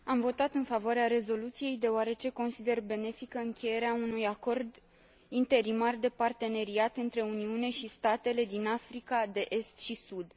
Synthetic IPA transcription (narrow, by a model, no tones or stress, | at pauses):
amvo̞t̪at̪ɨnfavoaɾeaɾe̞zo̞lut̪sije̞jd̪e̞oaɾe̞t͡ʃe̞ko̞nsid̪e̞rbe̞ne̞fikəɨŋkʲe̞je̞ɾeaunujako̞rd̪ | int̪e̞ɾimard̪e̞part̪e̞ne̞ɾiat̪ɨnt̪ɾe̞uniune̞ʃist̪at̪e̞le̞d̪inafɾikad̪e̞ʔe̞st̪ʃisud̪